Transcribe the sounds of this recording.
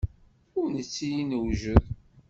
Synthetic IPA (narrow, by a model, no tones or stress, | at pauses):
ʊɾnət͡sːijinəwʒəð